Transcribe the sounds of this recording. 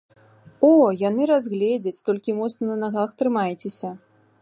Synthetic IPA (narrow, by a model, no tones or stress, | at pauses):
ɔjanɨɾazɣlʲed͡zʲɐt͡sʲt̪ɔlʲkʲimɔt̪snɐnɐnaɣaxt̪ɾɨmajt͡sʲesʲɐ